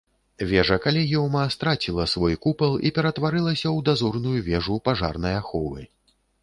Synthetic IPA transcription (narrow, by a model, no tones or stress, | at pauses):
vʲɛʐɐkalʲiɣʲɔwmɐst̪ɾat͡sʲilˠɐsvɔjkupɐlˠipʲɛɾɐt̪vaɾɨlˠɐsʲɐwd̪azɔrnujuvʲɛʐupaʐa̰rnɐjaxɔvɨ̰